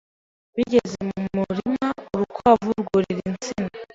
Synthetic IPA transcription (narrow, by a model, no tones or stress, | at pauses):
βiɟe̞zemummuɾimauɾukʰavuɾɡuɾiɾint͡sina